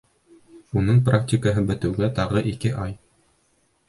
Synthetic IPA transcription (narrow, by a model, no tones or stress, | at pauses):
unɤɴpraktʲɪkəɦɤbɘ̆t̪ɘ̆wɡæt̪ɑʁɤʔikɘʔɑj